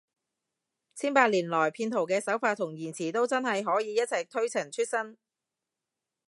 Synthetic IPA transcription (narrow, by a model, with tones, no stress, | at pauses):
t͡sʰiː˥npaː˧t̚liː˨˩nlɔː˨˩jpʰiː˧nt̪ʰo˨˩wkɛː˧sɐ˨˥wfaː˧t̪ʰʊ˨˩ŋjiː˨˩nt͡sʰiː˨˩t̪o˥wt͡sɐ˥nhɐ˨jɦɔː˨˥jiː˨˧jɐ˥t̚t͡sʰɐ˨jt̪ʰɵ˥ɥt͡sʰɐ˨˩ŋt͡ʃʰy˥t̚sɐ˥n